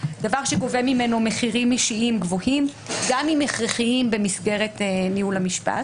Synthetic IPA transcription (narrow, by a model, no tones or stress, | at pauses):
d̥avaʁʃeɡo̞vemime̞nomeχiʁimiʃiimɡvohimɡamimeχʁeχiimbe̞misɡe̞ʁetnihulhamiʃpa̰t